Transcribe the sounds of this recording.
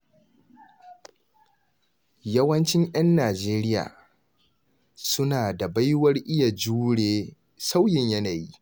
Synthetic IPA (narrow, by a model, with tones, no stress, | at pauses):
jɐ˦wɐ˦nt͡ʃɪ˦ɲj̰ɐ˦nːaː˨d͡ʒeː˦ɾɪ˦ja̰ː˨ | sʊ˦naː˨da˨ba˦jwɐ˦rʔɪ˦ja˨d͡ʒuː˦ɽeː˦ | sa˦wjɪ˨ɲjɐ˦naː˨ji˦